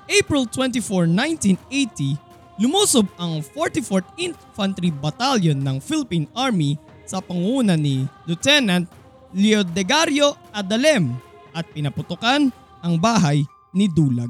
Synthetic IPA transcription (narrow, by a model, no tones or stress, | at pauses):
ʔejpɹɪlt̪wɛnt̪ifoɹnajnt̪inejt̪i | lʊmuːsobɐŋfoɹt̪ifoɹt̪in | fɐnt̪ɾibɐt̪aljonːɐŋfilɪpinaɹmi | sɐpɐŋuːnɐnilʊt̪ɛnɐnt̪̚ | lɛod̪ɛɡaɾjoʔɐd̪ɐlɛm | ʔɐt̪̚pɪnɐpʊt̪ʊkan | ɐŋbaːɦɐj | nɪd̪uːlɐɡ̚